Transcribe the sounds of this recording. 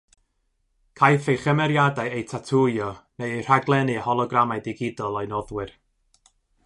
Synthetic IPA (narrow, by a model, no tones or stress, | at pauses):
kʰajθejχəmɛɾjadaɨejtʰatʰujɔnejr̥aɡlˠɛnɨhɔlˠɔɡramajdɪɡɪdɔlˠɔjnɔðwɨr